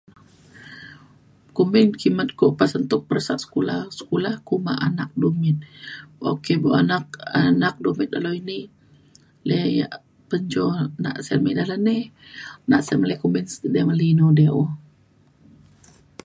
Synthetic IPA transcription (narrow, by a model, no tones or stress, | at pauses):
kumɪnkimət̪̚koʔpasənt̪ʊk̚pərsaʔsə̥kulahsə̥kulahkuma̰ʔanak̚dumɪt̪̚bʔo̰keboʔanak̚anak̚dumɪt̪̚aloini | leja̰ʔ | pəɲd͡ʒona̰ʔsɛlmeʔdalanenaʔsɛməlɛkumɪnsdɛməlinodeʔu